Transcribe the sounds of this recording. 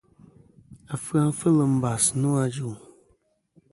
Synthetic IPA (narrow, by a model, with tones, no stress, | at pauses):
a˨fɨ˦a˦n˦fə˦lə˨m̩˦ba˨snu˦a˨d͡ʒu˦˨